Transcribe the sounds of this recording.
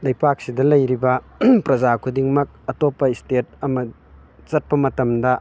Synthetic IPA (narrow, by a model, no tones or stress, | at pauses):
lɐjpak̚sidɐlɐjɾibɐ | pɾɐzakʰudiŋmɐk̚ɐtopːɐistet̚ɐmɐ | t͡ʃɐt̚pɐmɐtɐmdɐ